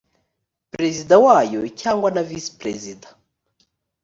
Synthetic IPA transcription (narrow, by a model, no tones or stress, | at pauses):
pɾɛzid̪awajɔcʰaŋɡwanavispɾɛzidḁ